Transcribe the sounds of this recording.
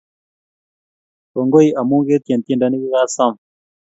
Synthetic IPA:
o˨ŋɡo˦i˦ʔa˨mu˦ŋɡe˦t̪e˨nt̪i˦˨nda˨˦ni˦ki˦ɣa˦sa˦˨m

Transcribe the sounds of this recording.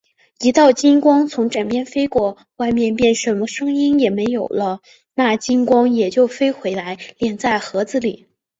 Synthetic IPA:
i˧˥t̪ɑ˥˩ʊt͡ɕi˥nkwɑ˥ŋt͡sʰʊ˧˥ŋʈ͡ʂa˨˩npjɛ˥˩nfe˥ɪkwɔ˥˩ | wa˥˧ɪmjɛ˥˧npjɛ˥˩nʂə˧˥nmə˧ʂɤ˥ŋi˥njɛ˨˩me˧˥ɪjo˨˩ʊlə˦ | na˥˩t͡ɕi˥nkwɑ˥ŋjɛ˨˩t͡ɕjo˥˩ʊfe˥ɪxwe˧˥ɪla˧˥ɪljɛ˧˥nt͡sa˥˩ɪxɤ˧˥d͡zɹ̩˧li˨˩˦

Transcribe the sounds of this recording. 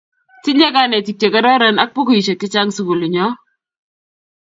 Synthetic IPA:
tɪ˦la˦ka˦nɛ˨ti˨kje˨ka˦ɾa˦ɾɛ˦na˦k̚pɔ˦ko˨i˨t͡ʃe˨kɪ˦t͡ʃa˦ŋsu˨ku˨li˨ɲɔ˦

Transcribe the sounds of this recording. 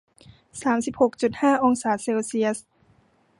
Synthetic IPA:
saː˩˦msi˨˩p̚ho˨˩k̚t͡ɕu˨˩t̪̚haː˥˩ʔo˧ŋsaː˨˩˦seː˧wsi˧əs

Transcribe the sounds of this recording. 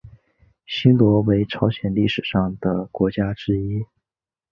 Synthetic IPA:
ɕi˥nlwɔ˧˥we˧˥ɪʈ͡ʂʰɑ˧˥ʊɕjɛ˨˩nli˥˩ʂɻ̩˨˩ʂɑ˥˩ŋd̪ə˩kwɔ˧˥t͡ɕja˥ʈ͡ʂɻ̩˥i˥

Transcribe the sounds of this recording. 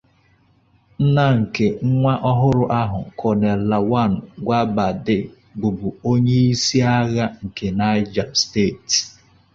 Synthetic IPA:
n̩˦na˦ŋ̩˨ke˨ŋ̩˦ŋʷa˦ʔɔ˦ɦʊ˦ɾʊ˦ʔa˦ɦʊ̰˨kʰɔ˨ne˨la˨wa˦˨n̩˨ɡʷa˦ba˨dɪ˦ | ɡ͡bu˨bʊ˨o˦ɲe˦i˦si˦a˦ɣa˦ŋ̩˨ke˨na˦ɪ˦d͡ʒa˨mste˦˨t

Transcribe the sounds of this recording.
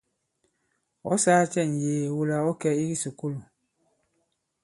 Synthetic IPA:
ɔ̰˦saː˦t͡ʃɛ˦˨n˨jeː˨wu˦la˨ɔ˦kɛ˦i˦ɡi˦su˨ku˦lu˨

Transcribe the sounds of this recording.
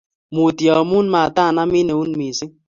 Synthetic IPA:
mu˨ti˨ɔ˨mu˦n˦ma˨ta˦˨na˦mi˦ne˨u˦n˦mi˨si˦

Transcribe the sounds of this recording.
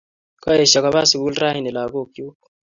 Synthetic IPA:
ka˦e˨ʃa˨ka˨βa˦si˨ku˦lra˦hi˨nɛ˨la˨ko˦˨kju˦k

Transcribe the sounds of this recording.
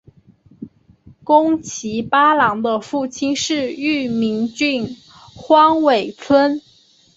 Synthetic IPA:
kʊ˥ŋt͡ɕʰi˧˥pa˥lɑ˧˥ŋd̪ə˧fu˥˩t͡ɕʰi˥nʂɻ̩˥˧y˥˩mi˧˥ŋt͡ɕy˥˩n | xwɑ˥ŋwe˨˩ɪt͡sʰwə˥n

